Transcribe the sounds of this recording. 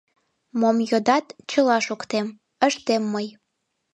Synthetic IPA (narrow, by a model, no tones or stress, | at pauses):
momjod̪ɑt̪t͡ɕəlɑʃokt̪em | əʃt̪emːəj